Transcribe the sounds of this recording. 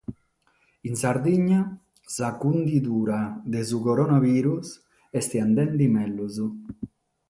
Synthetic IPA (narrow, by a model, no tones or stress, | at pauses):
insaɾd̪iɲa | sakund̪id̪uɾaðezukoɾonaβiɾus | est̪iand̪ɛnd̪imɛlːuzu